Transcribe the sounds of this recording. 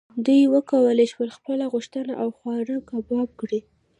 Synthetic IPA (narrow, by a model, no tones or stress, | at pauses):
d̪ujwəkawəleʃwəlxpəlaɣʊʃt̪əna̰ʔawxwɑɾəkabɑb̚kɽi